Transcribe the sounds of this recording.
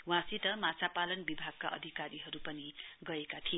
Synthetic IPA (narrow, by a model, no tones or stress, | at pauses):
wãsit̪ʌmat͡sapalʌnbibʱaɡ̚ka̰ʔʌ̰d̪ʱikaɾiɦʌɾupʌniɡʌekat̪ʰie